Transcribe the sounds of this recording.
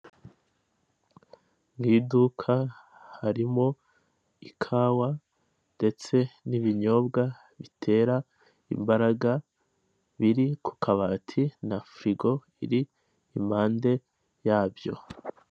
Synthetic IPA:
ŋhiːdukʰahaɾimo̞ | ikʰaːwa | nde̞t͡se̞niβiɲo̞bɡa | βitʰe̞ːɾa | ḭmbaɾaɡa | βiɾikʰu̥kʰaβaːtʰinafɾiɡo̞ | ḭɾiː | maːnde̞ | jaːbjo̞

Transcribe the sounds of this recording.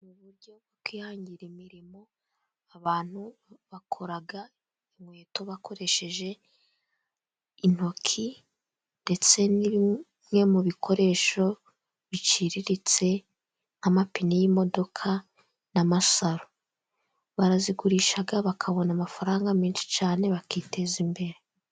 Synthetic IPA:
muβuɾɟo̞bɡokwiːhaːɲɟiɾimiɾimo̞ | aβaːn̥huβakʰo̞ɾaɡa | imwe̞ːto̞βakʰo̞ɾe̞ʃe̞ʒe̞ | in̥o̞kʰi | nde̞t͡se̞niβi | mŋe̞muβikʰo̞ɾe̞ːʃo̞ | βit͡ʃiɾiɾit͡se̞ | amapinijimo̞do̞kʰa | namasaɾo | βaɾaziɡuɾiːʃaɡaβakʰaβo̞namafaɾaːŋɡamiːnʃi̥t͡ʃaːne̞βakitʰe̞zimbe̞ɾe

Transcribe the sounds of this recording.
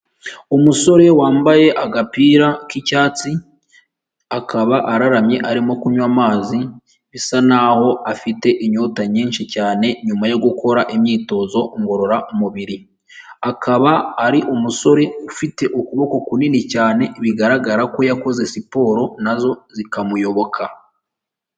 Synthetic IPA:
omuso̞ɾe̞waːmbaje̞ʔaɡapiːɾakicaːt͡si | akʰaβaʔaɾaɾamje̞ʔaɾimo̞kuɲwaːmaːzi | βisanaho̞afite̞ʔiɲo̞taɲiːnʃicaːne̞ɲumajo̞ɡuko̞ɾaʔemjiːto̞zo̞ŋɡo̞ɾo̞ɾaʔumuβiɾi | akʰaβaːɾiʔumuso̞ɾe̞ufite̞ʔokuβo̞ko̞kuninicaːne̞βiɡaɾaɡaɾako̞jako̞ze̞sipo̞ːɾo̞nazo̞zikamujo̞βo̞kʰa

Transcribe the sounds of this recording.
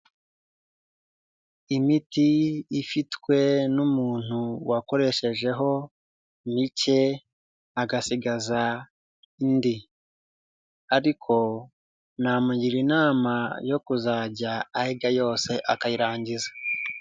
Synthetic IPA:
imitiːfitkwe̞numuːn̥huwako̞ɾe̞ʃe̞ʒe̞ɦo̞ | mice̞ | aɡasiɡaza | indi | aɾikʰo̞ | naːmajiɾinaːmajo̞kuzaɟaːheɡajo̞ːse̞ʔakajiɾaːɲɟizḁ

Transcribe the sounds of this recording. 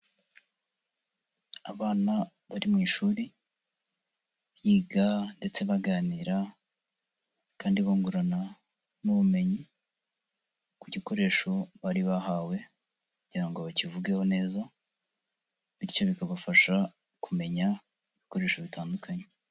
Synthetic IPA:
aβaːna | βaɾimŋiːʃuːɾi | βjiːɡande̞t͡se̞βaɡaːniɾa | kaːndiβoːŋɡuɾana | nuβume̞ɲi | kuɟiko̞ɾe̞ʃo̞βaɾiβahawe̞ | kuɟiɾaŋɡoβacivuɡeho̞ne̞ːza | βiɾco̞βikaβafaʃa | kume̞ɲa | iβiko̞ɾe̞ːʃo̞βitaːndukʰaɲe

